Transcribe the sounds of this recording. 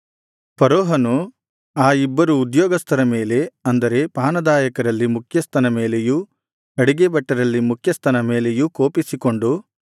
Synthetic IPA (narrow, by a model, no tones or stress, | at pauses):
pɐɾoːɦɐnu | aːibːɐɾuːd̪jɔːɡɐst̪ʰɐɾɐme̞ːle̞ɐnd̪ɐɾe̞paːnɐd̪aːjɐkɐɾɐlːimukʰjɐst̪ʰɐnɐme̞ːle̞ju | ɐɽiɡebɐʈːɐɾɐlːimukʰjɐst̪ɐnɐme̞ːle̞jukoːpisiko̞ɳɖu